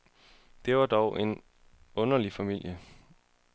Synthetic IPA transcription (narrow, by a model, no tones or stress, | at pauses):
d̥e̝ʋɑ̈d̥ɒʊʔe̝n | ɔ̽nɐlifæmil̰jə